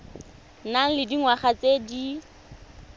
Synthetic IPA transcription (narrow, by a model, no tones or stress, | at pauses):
naŋ̩lɪdiŋwaχat͡sedi